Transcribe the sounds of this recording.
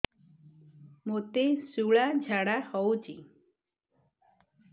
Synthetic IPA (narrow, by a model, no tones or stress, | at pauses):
mot̪esuɭad͡ʒʱaɽahɔwt͡ʃi